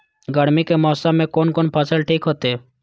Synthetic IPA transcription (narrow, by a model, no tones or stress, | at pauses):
ɡəɽmikemɔːsãmẽkoːnkoːnpʰəsəlʈʰiːkɦot̪eː